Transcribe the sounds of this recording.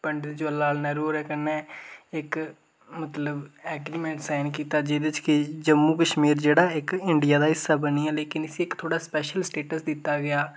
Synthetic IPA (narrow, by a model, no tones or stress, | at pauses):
pəɳɖd̪eːd͡ʒoəlaːlnɛɾuːɾɛːkənːeːɪk | mət̪ləbɛːɡɾiːmẽɳʈsaːɪnkiːt̪aːd͡ʒeːd̪t͡ʃkɪd͡ʒəmːuːkəʃmiːɾd͡ʒeːɽaːɪkɪɳɖijaːd̪aːɪsːaːbəniːɛːleːkɪnɪsiɪkt̪ʰoːɽaːspɛːʃəlsʈeːʈəsd̪ɪt̪ːaːɡɪjaː